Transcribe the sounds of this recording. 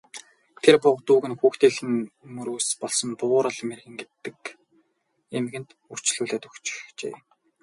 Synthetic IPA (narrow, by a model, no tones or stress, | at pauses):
t̪ʰerpʊqt̪uːɣɘ̆nxuːxt̪eːxɘ̆nmɵɾoːspɔɮsɞ̆mpʊːɾăɮmerɣɘ̆ŋɡet̪ːɘ̆k | emɘ̆ɣɘ̆nt̪ | ur̥t͡ɕɮuːɮeːt̪uxt͡ɕxt͡ɕḛː